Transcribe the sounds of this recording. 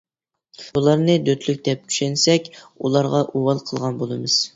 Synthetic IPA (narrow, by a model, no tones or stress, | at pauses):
bulˠɑɾnɨd̪øt̪ʰlyk̚ʲd̪ɛp̚t͡ʃʰy̥ʃɛnsɛkʲulˠɑɾʁɑʔuwɑlˠqʰəlˠʁɑnbolˠɨmɨz̥